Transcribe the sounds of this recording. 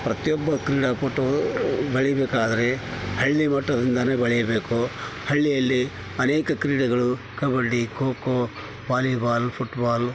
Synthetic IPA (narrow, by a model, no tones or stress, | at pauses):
pɾɐt̪ijɔbːɐkɾiːɽaːpoːʈobɐɭɛjɐbeːkaːd̪ɐɾe̞hɐɭːimɐʈːɐd̪ind̪ɐneːbɐɭɛjɐbeːkuhɐɭːijɐlːi | ɐneːkɐkɾiːɽɐɡɐɭu | kɐbɐɽikoːko | baːlibaːlpʰuʈbaːl